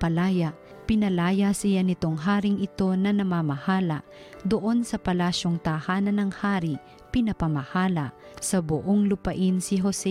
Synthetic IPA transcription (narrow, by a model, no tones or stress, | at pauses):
pɐlaːja | pɪnɐlaːjasɪjanɪt̪oŋɦaːɾiŋʔɪt̪o̞nɐnɐmamɐhaːlɐ | d̪oʔo̞nsɐpɐlaːʃjoŋt̪ahaːnɐnɐŋhaːɾi | pɪnɐpɐmɐhaːlɐ | sɐbʊʔoŋlʊpɐʔɪnsɪɦosɛ